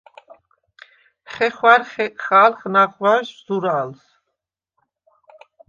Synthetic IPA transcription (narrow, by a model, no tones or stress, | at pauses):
χɛχwaɾχɛχalχnaʁvaʃz̥uɾals